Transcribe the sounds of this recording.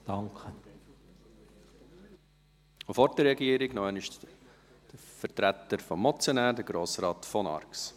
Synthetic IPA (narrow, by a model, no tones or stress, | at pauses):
d̥ɑŋkʰə | ofɔɾtəɾɛɡiəɾɪɡnɔɛnɪʃ | d̥əfəɾtɾæt̪əɾfɔmːɔt͡sjɔnæːɾdəɡɾoːsɾɑːtfɔnɑ̰rks